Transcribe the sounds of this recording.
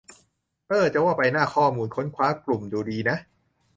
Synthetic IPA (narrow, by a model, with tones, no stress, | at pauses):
ʔɤː˧˩t͡ɕa˨˩waː˥˩pa˧jnaː˥˩kʰɔː˥˩muː˧nkʰo˦˥nkʰwaː˦˥klu˨˩mduː˨˩diː˧na˦˥ʔ